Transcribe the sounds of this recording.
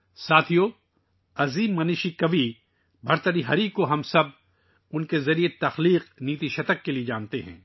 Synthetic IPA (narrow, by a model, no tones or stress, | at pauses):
saːt̪ʰijo | ɐziːmːɐniːʃikɐʋi | bʱɐɾt̪əɾiɦɐɾiːkːoɦɐmsɐb̚ | ʊnkezɐɾiet̪ɐxliːqniːt̪iʃɐt̪əkːelied͡ʒaːnt̪eɦɛ̰̃ː